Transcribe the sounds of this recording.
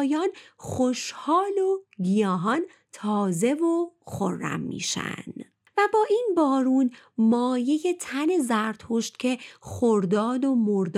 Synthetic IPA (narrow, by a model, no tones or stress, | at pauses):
jɒːnxoʃhɒːlo̞ɡijɒːɦɒn | t̪ʰɒːze̞voxo̰rːæ̰mːḭːʃæ̰n | væbɒːʔiːnbɒːɾuːn | mɒːje̞je̞t̪ʰæne̞zæɾt̪hoʃt̪̚cʲʰe̞xoɾd̪ɒːd̪o̞moɾd̪